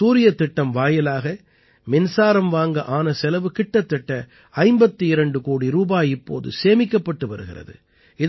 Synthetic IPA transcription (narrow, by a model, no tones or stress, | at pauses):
suːɾɪjɐt̪ːɪʈːɐmʋaːjɐlaːɣɐ | mɪnsaːɾɐmʋaːŋɡɐʔaːnɐsɛlɐʋɯkɪʈːɐt̪ːɪʈːɐ | ɐɪmbɐt̪ːɯɪɾɐɳɖɯkuːɽiɾuːbaːjɪpːoːðɯ̰seːmɪkːɐpːɐʈːɯʋɐɾɯɣɪ̰ɾɐ̰ðɯ̰ | ɪ